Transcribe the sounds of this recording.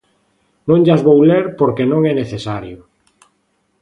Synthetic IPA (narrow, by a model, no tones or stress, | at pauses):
nõŋʎazβowleɾpoɾkenõŋɛneθesaɾjʊ